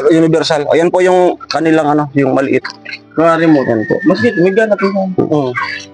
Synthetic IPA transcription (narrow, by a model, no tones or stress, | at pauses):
jʊnɪbɛɾsalo̰jonpojʊŋkɐnɪlaŋɐno̞jʊŋmɐlɪʔɪt̪̚kɐaɾɪmuːt̪ɐnpo̰ʔmɐsɡɪt̪mɪɡanɐt̪ʊɡan̰ːʔo